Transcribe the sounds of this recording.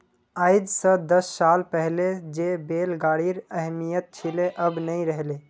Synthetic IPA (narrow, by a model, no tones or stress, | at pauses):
aɪd̪sə̃d̪əsːalpəɦled͡ʒebelɡaɽiɾəɦmijət̪̚t͡ʃʰileʔəbnəĩɾəɦle